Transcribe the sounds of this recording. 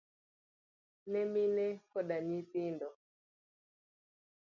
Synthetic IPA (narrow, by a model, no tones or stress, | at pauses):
nɛminɛkɔɗaɲipindɔ